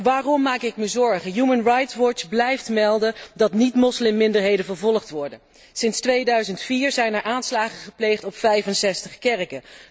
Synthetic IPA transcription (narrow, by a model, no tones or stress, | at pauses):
ʋaːrɔmːaːkɪkməzɔɹχəjumənrɑjtʋɔt͡ʃblɛjftmɛlˠdəndɑtnitmɔslɪmːɪndəɹɦejdənvəɹvɔlˠəχtʋɔɹdə | sɪnstʋejdœɥzəntfiːɹzɛjnɛɹʔaːnslaːχəχəplejχtɔpfɛjfənsɛstəχkɛrkə